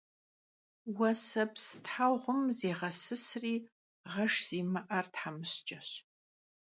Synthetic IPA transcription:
wɐsɐpstħaʁʷʊmzeːʁɐsɨsriː | ʁɐʂz̥iːmɨʔɐrtħamɨɕt͡ʃʼɐɕ

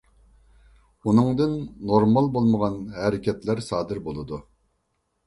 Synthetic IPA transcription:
unɨŋd̪ɨnːoɾmɑlˠbolˠməʁɑnɦɛɾɪkʲɛt̪læɾsɑːd̪ɨɾbolˠɨd̪u

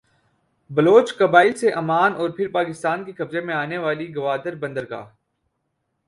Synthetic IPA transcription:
bɐloːt͡ʃkɐbaːɪlseʔɐmaːnɔːɾpʰɪɾpaːkɪst̪aːnkekɐbzemẽaːneʋaːliɡɐʋaːd̪əɾbɐ̃nd̪əɾɡa̰ː

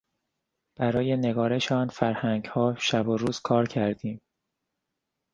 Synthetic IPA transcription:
b̥æɾɒːje̞ne̞ɡɒːɾe̞ʃɒːnfæɾhæŋɡhɒːʃæboɾuːz̥kʰɒːɾcʰæɾd̪iːm

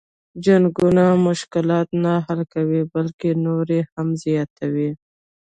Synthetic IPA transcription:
d͡ʒaŋɡunamʊʃkɪlɑt̪naɦalkawibalkenoɾehamzjɑt̪awi

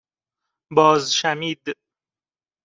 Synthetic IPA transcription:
bɒːzʃæmiːd̪

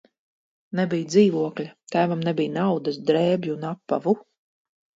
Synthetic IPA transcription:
nɛbijd̪ziːvuɔklʲat̪æːvamnɛbʲijnawd̪asd̪ɾɛːbʲjuunapːavu

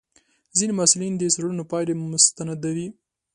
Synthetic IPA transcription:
zinemasɪlind̪əsaɽunopɑjlemʊst̪anad̪awi

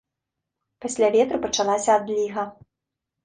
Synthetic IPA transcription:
pasʲlʲavʲɛt̪ɾɨpɐt͡ʂanasʲɐːd̪lʲiɣɐ

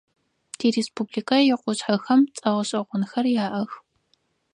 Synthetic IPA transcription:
d̥ʰiɾeːspubliːkʰɐjɪqʷʊɕħɐxɐmt͡sʼɐʁɐɕʼɐʁʷʊnxɐrjaːʔɐx

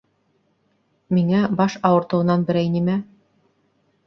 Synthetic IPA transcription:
miŋæbɑʃɑwɤ̆ɾt̪ɤ̆wɤ̆nɑnbɘ̆ɾæjnimæ

